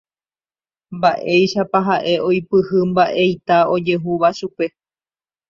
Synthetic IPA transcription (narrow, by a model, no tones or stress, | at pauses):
mbaʔe̞jʃapaɦaʔe̞o̞jpɨhɨmbaʔe̞jt̪ao̞d͡ʒe̞ɦuʋaʃupe̞